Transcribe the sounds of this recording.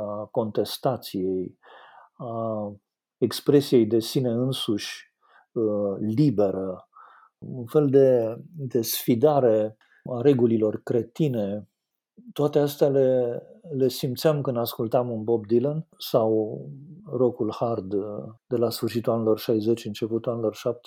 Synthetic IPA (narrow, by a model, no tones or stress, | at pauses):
ako̞nt̪e̞st̪at̪sijej | a | ekspɾe̞sije̞jd̪e̞sine̞ɨnsuʃʲ | libe̞ɾə | unfe̞ld̪e̞d̪e̞sfid̪aɾe̞ | aɾe̞ɡulilo̞rkɾe̞t̪ine̞ | t̪oat̪east̪ale̞le̞simt̪sʲamkɨnd̪askult̪amunbo̞b̚d̪ilənsaw | ro̞kulhard̪d̪e̞lasfɨrʃit̪ulanelo̞rʃajze̞t͡ʃɨnt͡ʃe̞put̪ulanelo̞rʃap̚t̪e̥